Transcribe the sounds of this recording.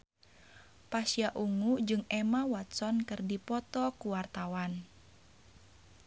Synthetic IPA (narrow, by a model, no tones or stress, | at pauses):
pasiaʔuŋud͡ʒɨŋɛmawat̪sɔnkɨrdipɔt̪ɔkuwart̪awan